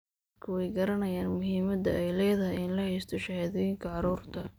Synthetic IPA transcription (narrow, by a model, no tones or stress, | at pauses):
kʰɐwɛjɡɐɾɐnɐjaːnmʊɦiːmɐd̪ɐ̰ʔɛjlɛːðɐɦɪjɪnlɐhɛjst̪ʰɔʃɐhaːðɔjɪŋkʰɐʕɑɾuːrt̪ʰɐ